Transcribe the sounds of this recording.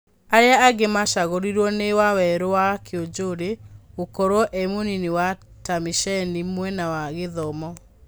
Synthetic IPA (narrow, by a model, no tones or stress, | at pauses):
aɾeaːɡemaʃaɣoɾiɾwɔnewawɛɾowakʰeod͡ʒoɾeokoɾwɔʔɛmoniniwa | tamiʃɛnimwɛnawaɣeðɔmɔ